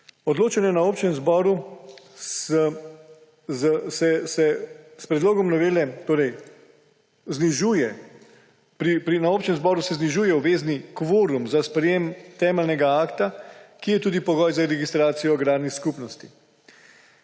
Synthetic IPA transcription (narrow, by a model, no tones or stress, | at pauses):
ɔd̪loːt͡ʃanjɛnaoːpt͡ʃɛmzbɔːɾu | s | zsɛsɛspɾɛd̪loːɡɔmnɔʋeːlɛt̪oːɾɛj | zniʒuːjɛ | pɾipɾinaoːpt͡ʃɛ̃mzbɔːɾusɛzniʒuːjɛwʋeːznikʋoːɾumzaspɾɛjeːmt̪ɛːmɛlnɛɡaaːkt̪akijɛt̪uːd̪ipɔɡɔjzaɾɛɡist̪ɾaːt̪sijɔɡɾaːd̪niskupnɔst̪i̥